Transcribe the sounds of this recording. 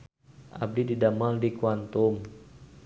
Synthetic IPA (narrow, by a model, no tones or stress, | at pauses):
ʔa̰b̚dididamaldikuant̪um